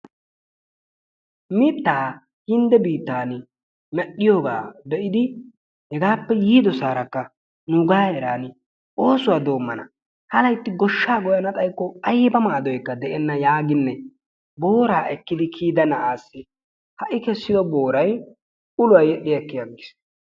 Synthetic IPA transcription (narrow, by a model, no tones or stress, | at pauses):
mɪt̪ːaː | hɪnd̪ɛbiːt̪ːaːn | mɛɗːɪjoɡa̰ːd̪ɛʔɪd̪ɪ | hɛɡaːpːɛjiːd̪ɔsaːɾɐkːɐ | nʊɡaːjɛɾaːnɪ | ʔo̞ːsʊwad̪o̞ːmːɐnɐ | hɐlɐjt̪ːɪɡɔʃːaːɡɔjɐnɐt̪ʼɐjkːɔɐjbɐmaːd̪ɔjkːɐd̪ɛʔɛnːɐjaːɡɪnːɛ | bo̞ːɾaːʔɛkːɪd̪ɪkʰiːd̪ɐnɐʔaːsːɪ | hɐʔɪkɛsːɪd̪ɔbo̞ːɾɐj | ʊlʊwɐjɛɗɪjɐkːɪjɐɡɪs